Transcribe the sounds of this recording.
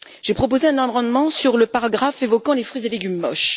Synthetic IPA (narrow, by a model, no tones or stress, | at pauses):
ʒ̥epχɔp̬ozeɛ̃nɑ̃bʁɑ̃d̪mɑ̃syʁləpaʁaɡʁafevɔkɑ̃lefχɥizeleɡʲymːɔʃ